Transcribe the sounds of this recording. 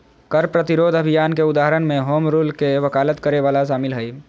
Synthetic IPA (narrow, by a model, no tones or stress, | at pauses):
kəɾpɾət̪iɾoːd̪ʱəbʱijaːnkeʊd̪aːɦəɾənmẽɦoːmɾuːlkeʋəkaːlət̪kəɾeʋaːlaʃaːmɪlɦəj